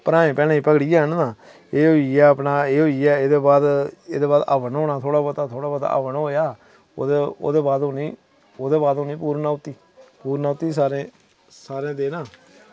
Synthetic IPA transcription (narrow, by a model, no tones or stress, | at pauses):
pəɾãːẽːpɛːnãːiːpəɡɽiːd͡ʒaːnnaː | eːɦoːiɛːəpnaːeːɦoːiɛːeːd̪eːbaːd̪eːd̪eːbaːd̪ə̰ʋənɦoːnaːt̪ʰoːɽaːbət̪aːt̪ʰoːɽaːbət̪a̰ːʔə̰ʋənɦoːjaː | o̰d̪eo̰ːd̪eːbaːd̪õːnĩː | oːd̪eːbaːd̪õːnĩːpuːɾnaːʊt̪ːiː | puːɾnaːʊt̪ːiːsaːɾẽː | saːɾẽːd̪eːnãː